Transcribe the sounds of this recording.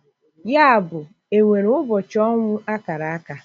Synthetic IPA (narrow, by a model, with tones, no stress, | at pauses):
ja˦a˨bʊ˨ | e˨ŋʷe˨ɾʊ˦bɔ˨t͡ʃɔ˦ŋʷʊ˦a˦ka˨ɾa˨a˦ka˨